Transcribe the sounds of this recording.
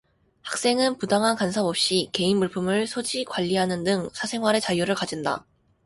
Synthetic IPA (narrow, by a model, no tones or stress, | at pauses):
hḁk̚s͈e̞ŋɯnpudaŋɦankansʰabʌp̚ɕ͈ike̞inmuɭpʰɯmɯɭsʰod͡ʑikwaʎːiɦanɯndɯŋsʰasʰe̞ŋɦwaɾe̞t͡ɕajuɾɯɭkad͡ʑinda̰